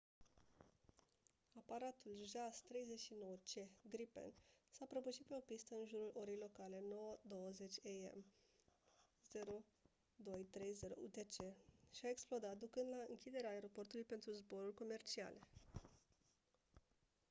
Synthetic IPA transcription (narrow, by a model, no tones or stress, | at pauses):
apaɾat̪ulʒast̪ɾe̞jzeʃino̞wət͡ʃe̞ɡɾipḛnsapɾəbuʃit̪̚pe̞o̞pist̪əɨnʒuɾulʔo̞ɾejlo̞kale̞no̞wəd̪o̞wəze̞t͡ʃʲeḛm | z̥e̞ɾo̞ | d̪o̞jt̪ɾe̞jze̞ɾo̰ṵt̪et͡ʃe̞ʃiaeksplod̪at̪̚d̪ukɨnd̪laɨŋkʲid̪e̞ɾeaːe̞ɾo̞po̞rt̪ulujpe̞nt̪ɾuzbo̞ɾulko̞me̞rt͡ʃia̰le